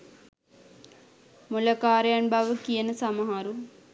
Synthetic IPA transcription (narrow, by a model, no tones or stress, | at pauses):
mulɐkaːɾjaɳbʱaʋəkijɐnɨsɐmɐɦaːɾu